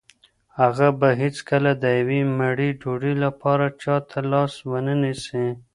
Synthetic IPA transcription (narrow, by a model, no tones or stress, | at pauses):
haɣabaɦɪt͡skəlad̪əjawimaɽiɖoɽilapɑɾat͡ʃɑt̪ʰalɑswənənisi